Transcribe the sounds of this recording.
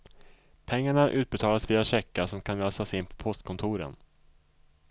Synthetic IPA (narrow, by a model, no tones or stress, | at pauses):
pʰɛŋːaɳaʔʉ̟ːt̪̚bɛt̪ʰɑːlasviːaɕɛkːasɔmkʰanløːsasɪnːpʰɔ̥pʰɔst̪̚kʰɔnt̪ʰuːɾə̰n